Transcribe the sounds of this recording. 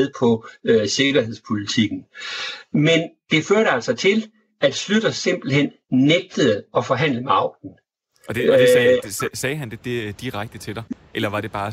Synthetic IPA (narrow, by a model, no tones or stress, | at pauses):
ðˠpʰɒ̽øse̝ɡ̥ɐɦe̝ðˠspʰo̝lit͡sʰiɡ̥n̩ | mend̥e̝føɐɾəæl̰sɒ̽t͡sʰe̝l | æd̥slyd̥ɐse̝m̰b̥l̩hen̰ | neɡ̥̚d̥əð̩ˠɒ̽fɒ̽ɦæn̰ləmeɑ̈ʊ̰d̥n̩ | d̥ | sɛːɦænd̥e̝d̥ed̥iʁaɡ̥̚d̥ət͡sʰe̝d̥ɑ̈ɪ | ʔelɐʋɑ̈d̥e̝b̥ɑ̈ː